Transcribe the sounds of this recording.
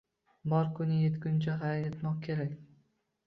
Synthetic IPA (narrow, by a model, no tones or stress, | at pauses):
bɒɾkʰʊnɪjet̪kʲʊnt͡ʃʰaɦajet̪mɒqkʲʰe̞ɾakʲ